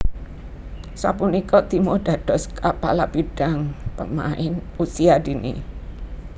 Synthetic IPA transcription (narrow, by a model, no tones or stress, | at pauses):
sa̰punikɔd̪̥i̤moɖ̥ä̤ɖ̪̥ɔ̤skapa̰lab̥iɖ̥ä̤ŋpəma̰ʔɪnusiad̪̥inʔḭ